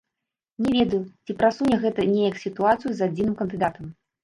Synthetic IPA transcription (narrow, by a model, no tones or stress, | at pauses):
nʲɛvʲɛd̪ɐjut͡sʲipɾasunʲɛɣɛt̪ɐnʲɛjɐksʲit̪uat̪sɨjuzad͡zʲinɨmkɐnd̪ɨd̪at̪ɐm